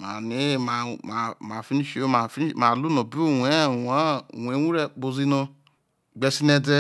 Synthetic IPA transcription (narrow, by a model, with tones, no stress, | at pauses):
ma̰˨ni˨˦˨ma˧˨a˨˧ma˨fi˦ni˦ʃo˦ma˨fi˦ma˨lu˦nɔ̃˨bi˦o˦˨we˨˦˨wa˦˨wʷe˨˦wũ˦ɾɛ˦k͡po˧zi˦nɔ̃˧ | ɡ͡bɛ˧si˦nɛ˧dɛ˦